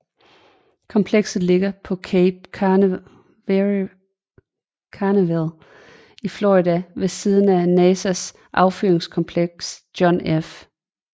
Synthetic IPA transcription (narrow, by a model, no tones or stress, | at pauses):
kʰɒ̽mpʰleɡ̥sð̩ˠle̝ɡ̥ɐpʰɒ̽kʰeb̥̚ | kʰɑneʋæl | ifloʁid̥æʋe̝siːð̞ˠən̩ænɛːsæs | ʔɑ̈ʊfyɐeŋskʰɒ̽mpʰleɡ̥sd̥jɒnef